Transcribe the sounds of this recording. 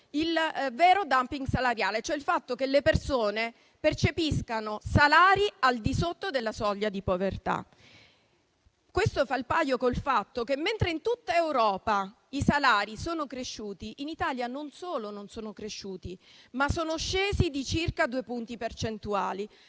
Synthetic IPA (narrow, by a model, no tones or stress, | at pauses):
ilvɛːɾod̪ampiŋɡsalaɾjaːlet͡ʃoɛilfat̪ːokelːepersoːne | pert͡ʃepiskanosalaːɾiald̪isot̪ːod̪elːasɔʎːad̪ipovert̪a̰ | kwest̪ofailpajokolfat̪ːok̟emːent̪ɾeint̪ut̪ːaewɾɔːpa | isalaːɾisoːnokɾeʃːuːt̪iʔinit̪aːljanonsoːlononsoːnokɾeʃːuːt̪imasoːnoʃːeːzid̪it͡ʃirkad̪uːepunt̪ipert͡ʃent̪uaːli